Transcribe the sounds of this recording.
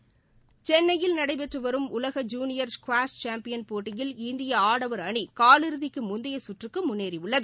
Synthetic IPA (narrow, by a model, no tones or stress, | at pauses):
t͡ʃɛnːɐjɪlnɐɽɐɪpɛʈrɯʋɐɾɯmʊlɐɣɐd͡ʒuːnɪjɐɾskʋaːst͡ʃaːmpɪjɐnpoːʈːɪjɪlɪnd̪ɪjɐaːɽɐʋɐɾɐɳikaːlɪɾɯðɪkːɯmʊnd̪ɐjɐsʊʈrɯkːɯmʊnːeːɾiʊɭːɐð